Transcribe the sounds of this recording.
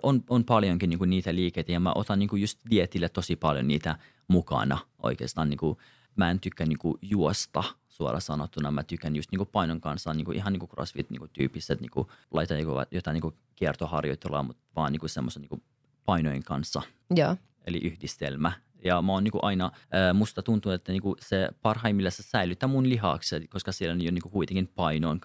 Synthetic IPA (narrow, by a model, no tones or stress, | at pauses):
ʔononpɑljoŋkiniːŋkuniːt̪æliːkeit̪æjɑmæ̰ʔot̪ɑnniːŋkujust̪diet̪ilːæt̪t̪osipɑljo̰niːt̪æ | mukɑ̰nɑʔo̰ikḛːst̪ɑːniːku | mæent̪ykːænniːŋkujuost̪ɑsuo̰lʔɑsɑnot̪ːunɑmæt̪ykːænjust̪niːŋkupɑinoŋkɑnsːɑnniːŋkuʔiɦɑniŋkukro̰sʋḭt̪nḭŋkut̪y̰ːpːiset̪nḭːŋkulɑit̪ɑjikoʋɑ̰jot̪ɑniŋku | kiert̪ohɑrjo̰t̪ːelɑ̰ːmut̪ʋɑːniŋkusemːoseniːŋku | pɑinojeŋkɑnsːɑ | joː | elḭʔyhdist̪ḛlmæ | jɑmæoːnniːŋkuʔɑinɑəːmust̪ɑt̪unt̪unut̪et̪ːæniːŋkusepɑrhɑimilːæsesæilyt̪ːæmunliɦɑ̰ksekoskɑsielːænyjoniŋkukuit̪eŋkimpɑinon